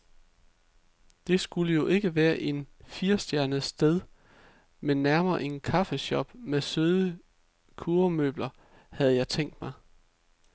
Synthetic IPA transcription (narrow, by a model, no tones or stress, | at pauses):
d̥e̝sɡ̥uləjo̝ʔe̝ɡ̥əʋæːɐʔe̝nfiɐsd̥jæɐnəð̩ˠsd̥eð̞ˠ | menːæɐmɐːʔe̝nkʰɑ̈fəɕɒ̽b̥mesøðˠə | kʰuɐmø̰b̥lɐ | hæð̞̩ˠjɑ̈ɪt͡sʰeŋ̰d̥mɑ̈ɪ